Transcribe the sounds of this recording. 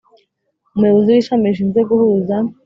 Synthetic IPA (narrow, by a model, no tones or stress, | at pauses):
umuheβoziwiʃameʃiːnzeɡuhuza